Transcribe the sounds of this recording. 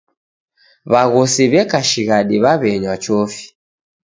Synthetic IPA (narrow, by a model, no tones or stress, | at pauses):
βaɣɔsiβɛkaʃiɣaɗiβaβɛɲwat͡ʃɔfi̥